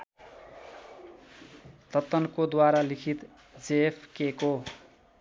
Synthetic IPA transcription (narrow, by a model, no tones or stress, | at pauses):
t̪ʌt̪ːʌnkod̪waɾalikʰit̪ | d͡zeepʰkeko